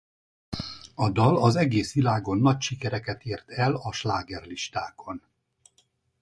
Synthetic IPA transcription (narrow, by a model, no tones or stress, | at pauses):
ɒd̪ɒlɒzɛɡeːsʋilaːɡo̞nːɒcʃikɛɾɛkɛt̪eːrt̪ɛlɒʃlaːɡɛrliʃt̪aːkʰo̞n